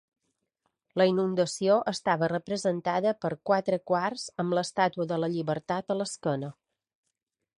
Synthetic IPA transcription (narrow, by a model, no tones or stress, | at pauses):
ləinund̪əsioʔəst̪aβərəpɾəzənt̪aðəpəɾkwat̪ɾəkwarz̥əmləst̪at̪uəðələʎiβəɾt̪at̪ələskənə